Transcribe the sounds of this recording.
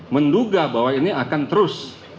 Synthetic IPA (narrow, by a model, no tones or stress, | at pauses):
mənduɡabawainiakant̪əɾʊs